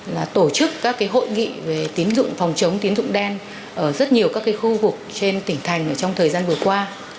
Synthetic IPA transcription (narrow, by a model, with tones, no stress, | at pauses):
laː˨˩t̪o˧˩t͡ɕɨ˦˥kːaː˦˥kːaː˨˦jɦo̰˧˨jŋḭ˧˨ve˨˩t̪i˨˦nzʊ̰˧˨ŋ͡mfɔ˨˩wŋ͡mt͡ɕə˨˦wŋ͡mt̪i˨˦ənzʊ̰˧˨ŋ͡mɗɛ˧n | ʔəː˧˩zə˦˥t̚ɲi˨˩əwkaː˦˥kːaː˨˦jxu˧vʊ˨˩k̚t͡ɕe˧nt̪ï˧˩ŋ̟t̪ʰa˨˩jŋ̟ʔəː˧˩t͡ɕɔ˧wŋ͡mt̪ʰəː˨˩jzaː˧nvɨ˨˩əkwaː˧